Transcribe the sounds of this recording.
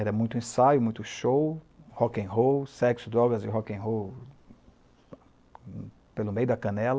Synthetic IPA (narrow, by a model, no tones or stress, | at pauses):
ɛɾɐmũj̃t̪ʊẽsajʊmũj̃t̪ʊʃow | hɔkẽj̃ɦowsɛksʊd̪ɾɔɡɐzɪɦɔkẽj̃ɦow | pelʊmejʊd̪ɐkɐ̃nɛlɐ